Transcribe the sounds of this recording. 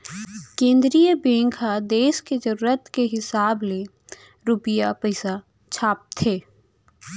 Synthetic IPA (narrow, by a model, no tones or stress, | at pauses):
kẽːnd̪ɾijəbẽːŋɡʰad̪eːʃked͡ʒəɾuːɾət̪keɦɪsaːble | ɾupɪjapəɪsa | t͡ʃʰaːp̚t̪ʰeː